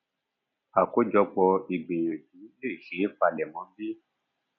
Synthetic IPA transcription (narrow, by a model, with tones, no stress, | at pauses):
a˨ko˦d͡ʒɔ˧k͡pɔ˧i˨ɡ͡be˨jo˨ti˨˦i˦le˦˨ʃe˨˦fa˧˨lɛ˨mɔ̃˨˦bi˦